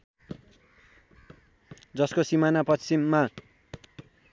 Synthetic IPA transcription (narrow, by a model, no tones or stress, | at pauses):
d͡zʌskosimanapʌst͡simːa